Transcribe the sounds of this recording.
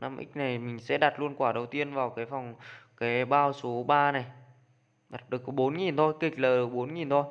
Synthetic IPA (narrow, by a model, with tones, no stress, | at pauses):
nʔa̰˧mʔï˦˥k̟̚na˨˩jmï˨˩ŋ̟sɛ̰˧˥ɗaː˨˩t̚lu˧ənkwaː˧˩ɗə˨˩wt̪i˧ənvaː˨˩wkaː˨˦jfɔ˨˩wŋ͡mkaː˨˦jɓaː˧wso˨˦ɓaː˧na˨˩j | ɗaː˨˩t̚ɗɨ˨˩əkɓo˨˦nŋi˨˩nt̪ʰo˧jk̪ï˨˩k̟̚ləː˨˩ɗɨ˨˩ə˩k̚ɓo˨˦nŋi˨˩nt̪ʰo˧j